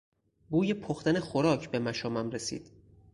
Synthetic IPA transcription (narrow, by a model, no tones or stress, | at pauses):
buːjepʰoxt̪ænexoɾɒːcʰbe̞mæʃɒːmæmɾesḭːd̪̥